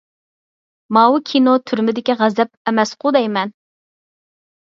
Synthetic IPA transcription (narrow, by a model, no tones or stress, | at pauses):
mɑwukʲʰinot̪ʰyɾmɪd̪ɪkʲiʁæzɛp̚ɛmɛsqʰʊd̪ɛjmɛn